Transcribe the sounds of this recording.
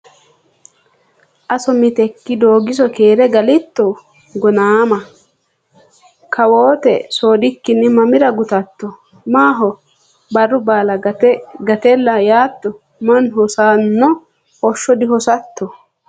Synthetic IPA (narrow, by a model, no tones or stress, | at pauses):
ʔɐsɔmɪt̪ɛkːɪd̪o̞ːɡɪsɔke̞ːɾɛɡɐlɪt̪ːɔ | ɡɔnaːmɐ | kʰɐwoːt̪ɛ̰soːd̪ɪkːɪnːɪmɐmɪɾɐɡʊt̪ɐt̪ːɔ | maːɦɔ | bɐrːʊbaːlɐɡɐt̪ɛlːɐjaːt̪ːɔ | mɐnɦɔsaːnːɔ | hɔʃːɔd̪ɪɦɔsɐt̪ːɔ